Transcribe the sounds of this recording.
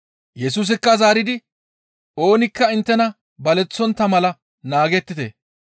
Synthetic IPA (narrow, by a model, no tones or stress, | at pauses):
jɛs̬uːs̬ɪkːɐzaːɾɪd̪ɪ | o̞ːnɪkːɐɪnt̪ːɛnɐ | bɐlɛt͡sːɔnt̪ːɐmɐlɐ | naːɡɛt̪ːɪt̪ḛ